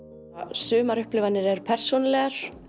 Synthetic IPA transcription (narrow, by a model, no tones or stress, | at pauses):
sʏːmaɾʏhplɪvanːɪɾɛɾpʰɛr̥sunlɛɣaɾ̥